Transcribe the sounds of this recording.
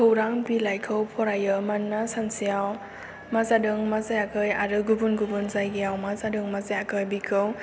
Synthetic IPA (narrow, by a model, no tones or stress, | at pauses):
kʰɯwɾaŋbilajkʰɯwpʰɔɾajɯmanːasansijaw | mazadɯŋmazajakʰɯjaɾɯɡubunɡubunzajɡejawmazadɯŋmazajakʰɯjbikʰɯw